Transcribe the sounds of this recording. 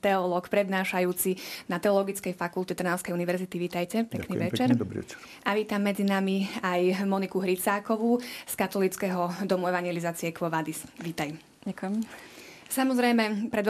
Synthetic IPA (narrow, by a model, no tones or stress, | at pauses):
t̪ɛɔlɔːkpɾɛd̪naːʃajuːt͡sinat̪ɛɔlɔɡit͡skɛjfakult̪ɛt̪r̩naʊskɛjuniʋɛɾzit̪iʋiːt̪ajcɛpɛkniʋɛt͡ʃɛɾbɾḭɛt͡ʃ | ʔaʋiːt̪amːɛd͡zinamiajmɔnikuɦɾit͡saːkɔʋuskat̪ɔliːt͡skɛɦɔd̪ɔmuɛʋaɲɪɛlizaːt͡siɛkʋɔʋad̪isʋiːt̪aj | akjɛm | samɔzɾɛjmɛpɾɛd̪